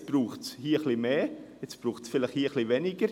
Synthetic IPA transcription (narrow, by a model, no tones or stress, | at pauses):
t͡sb̥ruːχshiːχlimeː | ɛt͡sb̥ruːχsfɪlɪχhiːəχlivɛnɪɡəɾ